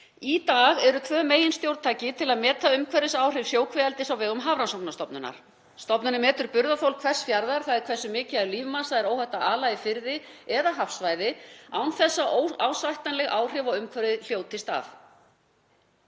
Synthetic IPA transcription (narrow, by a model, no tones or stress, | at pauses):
it̪aːɣɛɾʏt̪ʰvœːmeːjɪnst̪jowɾt̪ʰaːjcɪt̪ʰɪlaðmɛːt̪aʏmkʰvɛɾɪsaːwr̥ɪvsjoːwkʰvɛɛlt̪ɪsawvɛːɣʏmɦaːvɾansɔpnast̪ɔpnʏna̰ɾ̥ | st̪ɔpnʏnɪmɛːt̪ʏɾpʏɾðaθowlkʰv̥ɛr̥sfjaɾðaɾ̥θaðɪɾkʰvɛ̥sʏmɪːcɪaɛɾliːvmasaðɛɾoːwhɛht̪aʔaːlajðɪfɪɾðɪɛðaɦafsvaːjðɪawnθɛsːaʔoawsajht̪anlɛɣaːwr̥ɪvɔɣʏmkʰvɛɾðɪl̥joːwt̪ʰɪst̪a̰θ